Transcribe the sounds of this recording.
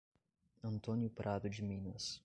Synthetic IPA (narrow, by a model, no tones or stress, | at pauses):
ɐ̃nt̪õnjʊpɾʔad̪ʊd͡ʒɪmĩnɐs